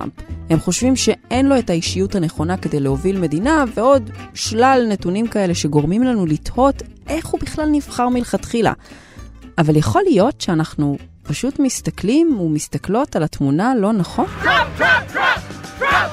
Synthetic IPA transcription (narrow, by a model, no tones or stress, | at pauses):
mphe̞mχo̞ʃvimʃe̞ʔenlo̞e̞taiʃijuthane̞χo̞nake̞de̞jleho̞vilme̞dinave̞o̞dʃlalne̞tunimkae̞le̞ʃe̞ɡo̞ʁmimlanulito̞tʔe̞χhubiχlalniv̥χaʁmilχatχila̰ | avaljeχo̞lijo̞tʃeanaχnupaʃutmistaklimumistaklo̞talatmunalo̞naχo̞n